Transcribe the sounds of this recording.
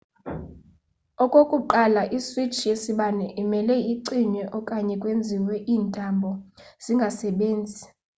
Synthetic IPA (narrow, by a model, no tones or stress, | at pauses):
ɔkʼokʼuǃalaʔiswit͡ʃʰijesiɓanɛʔimɛlɛiǀiɲɛʔɔkʼaɲɛkʼwend͡zʱiwɛʔiːntʼambʱɔz̥iŋɡʱasɛɓeːnd͡zʱi